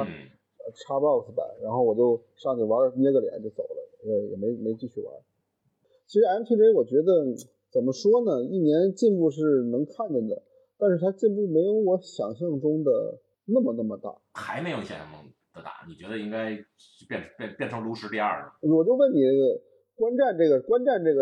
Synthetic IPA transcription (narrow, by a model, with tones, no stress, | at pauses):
ʈ͡ʂʰa˥pɑ˥˩ʊsɹ̩˥˩ba̰˨˩ɻa˧˥nxo˥˩ʊwɔ˨˩t͡ɕjo˥˧ʊ | ʂɑ˥˧ŋt͡ɕʰi˨˩wa˧˥ə˧˩˥njɛ˥ɡə˧ljɛ̰˧˥nt͡ɕjo˥˩ʊso˨˩ʊə˦lə̰˧˥ɛ˥˩wɔ̰˨˩me˧˥ɪo˨˩me˧˥jʊt͡ɕi˥˧˩y˥˩wa̰˧˥n | t͡ɕʰi˧˥ʂɻ̩˧˥a˧˥nt̪ʰi˥˩ɛ˥wɔ˨˩t͡ɕɥɛ˧˥d̪ə˧ | t͡sə˨˩nmə˦ʂwɔ˥nə˨i˥˩njɛ˧˥nt͡ɕi˥˧npu˥˧ʂ̬ɻ̩˥˩nɤ˧˥ŋkʰa˥˩nd̪ə˨˩d̪ə̰˩ | t̪a˥˧nʂɻ̩ʰ˥˩a˥t͡ɕi˥˧npu˥˩me˧˥ɪjo˧˥wɔ˧˥ɕjɑ˨˩ŋɕ̬jɑ˥˩ŋʈ͡ʂʊ˥ŋd̪ə̰˨ | na˥˩mə˨na˥˩mə˩t̪a̰˥˩xa˧˥ɪme˧˥ɪjo˨˩ɕjɛ̰˨˩a˥˩m˥˩ŋ | d̪̥ə˧t̪a̰˨˩ni˨˩t͡ɕɥɛ˧˥d̪ə˧i˥ŋka˥ɪ˥ | pjɛ˥˩n˧˥pɛ˥˧pjɛ˥˩nʈ͡ʂʰɤ˧˥ŋlu˧˥ʂɻ̩˧˥pjɛ˥wɔ˨˩t͡ɕjo˥˧ʊwə˥˩nni˨˩˥ | kwa˥nʈ͡ʂa˥˧nʈ͡ʂɤ˥˩ɡə˩kwa˥nʈ͡ʂa˥˧nʈ͡ʂɤ˥˩ɡə˩